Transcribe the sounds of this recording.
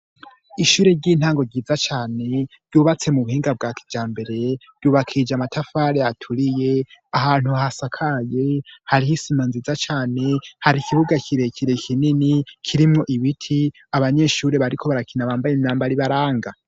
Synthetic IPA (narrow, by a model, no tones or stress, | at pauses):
iʃuːɾe̞ɾɟiːn̥haːŋɡo̞ɡɟiːzat͡ʃaːne̞ɾɟuːβat͡se̞muβuhiːŋɡab̚ɡaːkʰi̥d͡ʒaːmbe̞ɾe̞d̥ɟ̥uːβakʰid͡ʒamatʰafaːɾeatʰuɾije̞aɦaːn̥huhasakʰaje̞haɾihisimanzizat͡ʃaːne̞haɾikʰiβuɡakʰiɾe̞kʰiɾekʰininikʰiɾimŋo̞ʔiβitʰi | aβaɲe̞ʃuːɾe̞βaɾikʰo̞βaɾakinaβaːmbajenaːmbaɾiβaɾaːŋɡa